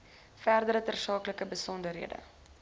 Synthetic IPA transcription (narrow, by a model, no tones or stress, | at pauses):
færdəɾətərsɑːkləkəbəsɔndərɦḭədə̰